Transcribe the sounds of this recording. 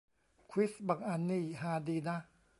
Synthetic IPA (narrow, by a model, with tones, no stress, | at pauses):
kʰwi˦˥sba˨˩kʔa˧nːiː˥˩ɦaː˧diː˧na˦˥